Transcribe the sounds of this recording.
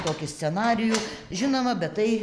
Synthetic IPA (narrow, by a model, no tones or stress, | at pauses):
t̪oːkʲʊsʲt͡ssʲɛnɑːɾʲɪjuːʒʲɪnoːmɐbʲɛt̪t̪ɐɪ